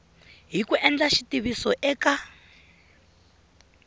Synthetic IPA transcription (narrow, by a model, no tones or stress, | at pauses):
ɦikuʔɛnd͡ɮaʃitiβisɔʔɛka